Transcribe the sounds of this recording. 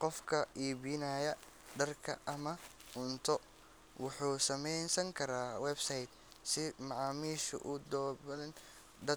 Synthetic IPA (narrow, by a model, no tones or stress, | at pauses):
qɔfkʰɐʔiːbiːnɐjɐ | ɖɐrkʰɐ̰ʔɐmɐ | ʊnt̪ʰɔ | wʊħuːsɐmɛjnsɐŋkʰɐɾaːwɛbsɐjd̪ | sɪmɑʕɑːmiːʃʊ̰ʔʊd̪ɔːbɐðɐn | d̪ɐ